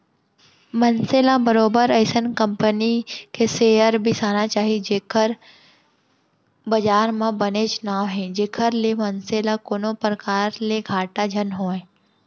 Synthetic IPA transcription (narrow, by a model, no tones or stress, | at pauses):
mənseːlabɐɾoːbəɾɛːsənkə̃mpənikeseːjəɾbʱisaːnat͡ʃaːɦid͡ʒeːkʰəɾ | bɐd͡ʒaːɾmãbɐnet͡ʃʊnaːʋɦɛ̃d͡ʒeːkʰəɾlemɐnseːlakoːnopɾəkaːɾleɡʱaːʈad͡ʒʱɐnɦoːẽː